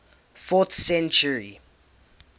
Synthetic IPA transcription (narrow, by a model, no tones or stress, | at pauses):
fɔθsɛ̃nt͡ʃəɹi